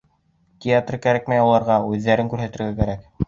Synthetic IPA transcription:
t̪ʲɪat̪rkæɾæk̚mæjulˠɑɾʁɑʉðːæɾɘŋkʉɾɦæt̪ɘ̆ɾɡækæɾæk

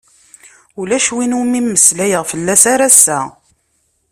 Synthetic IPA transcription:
ulæʃwinumimːəslæjəʁfəlːæsaɾæsːæ̰

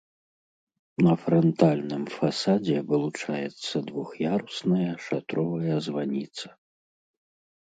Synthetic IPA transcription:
nɐfɾɔnt̪alʲnɨmfasad͡zʲɛvɨlˠut͡ʂajɛt̪sːɐd̪vuxjaɾusnɐjɐʂat̪ɾɔvɐjɐzvanʲit̪sɐ̥

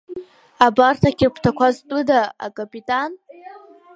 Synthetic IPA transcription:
abartʰakʲʰɪrpʷʰtʰakʷaztʷʼɨdaa̰kʼapʼitʼan

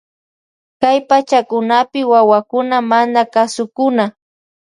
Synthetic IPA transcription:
kajpat͡ʃakʊnapɪwawakʊnamanakasʊkʊna

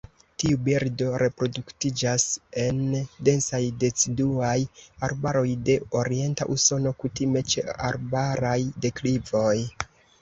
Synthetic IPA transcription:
tiubiɾdo̞ɾe̞pɾo̞duktid͡ʒase̞nde̞nsajde̞t͡siduajaɾbaɾo̞jde̞o̞ɾie̞nta̰ʔuso̞no̞kutime̞t͡ʃe̞̰aɾbaɾajde̞klivo̞j

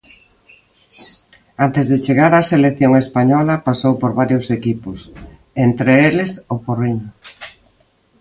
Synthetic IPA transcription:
ant̪ezðet͡ʃeɣaɾaseleθjoŋespaɲɔlɐpasowpoɾβaɾjʊsekipʊs | ent̪ɾeelesoporiɲʊ

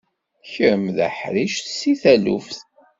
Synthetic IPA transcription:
çəɾmðə̰ħɾiʃθsiθælṵfθ

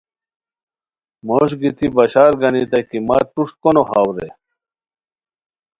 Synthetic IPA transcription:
moːɕɡit̪ibɐɕaːɾɡɐnit̪ɐkimɐ̰ʈuʂkonohaːwɾḛ

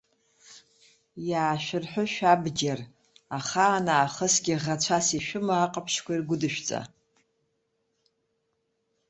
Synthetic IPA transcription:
jaːʃʷᶣɪrħʷʊʃᶣabɡʲar | aχaːnaːχəsɡʲiʁat͡ɕʷʰasiʃᶣʊmaːqʼapʰʃkʷairɡʷʊdɨʃᶣt͡sʼa̰

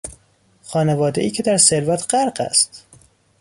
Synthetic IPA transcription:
xɒːnevɒːd̪e̞iːcʰe̞d̪æɾseɾvæt̪ʰɢ̥æɾɢæ̰st̪

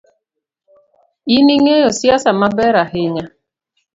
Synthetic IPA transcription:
iniŋeosjasamabɛɾaɦɪɲa

